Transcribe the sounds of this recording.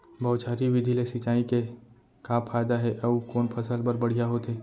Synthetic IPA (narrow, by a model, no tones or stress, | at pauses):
bɐːt͡ʃaːɾiʋɪd̪ʱilesit͡ʃaːike | kaːpʰaːjd̪aɦɛʔɐukoːnpʰɐsəlbəɾbɐɽ̤ijaɦot̪eː